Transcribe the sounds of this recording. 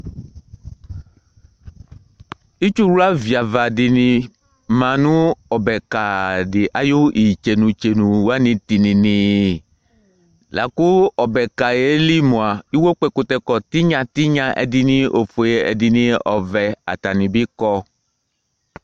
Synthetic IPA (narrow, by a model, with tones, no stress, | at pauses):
i˦t͡ʃu˦wu˦a˦vi˨a˨va˨di˨nĩ˨ | mã˨nũ˦ɔ˨bɛ˨ka˨dɪ˨ʔa˨jo˦ʔi˨t͡ʃe˨nũ˨t͡ʃe˨nũ˨wa˦nĩ˨t̪i˨nĩ˨nĩ˨ | la̰˨ku˦ɔ˨bɛ˨ka˨je˦li˦mõ˨a˨i˦wo˦k͡pɛ˦ko˨t̪ɛ˨kɔ˨t̪i˦ɲã˨t̪i˦ɲã˦ʔɛ̰˨di˨nĩ˦ʔo˨fo˨je˨ɛ̰˨di˨nĩ˦ɔ˨vɛ˨a̰˨t̪a˨nĩ˨bi˦kɔ˦